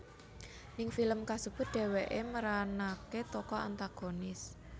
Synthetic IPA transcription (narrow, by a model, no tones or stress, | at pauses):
nɪŋfiləmkasub̥ʊt̪̚d̪̥ɛ̤weʔeməɾanaket̪ɔkɔa̰nt̪aɡ̥onɪs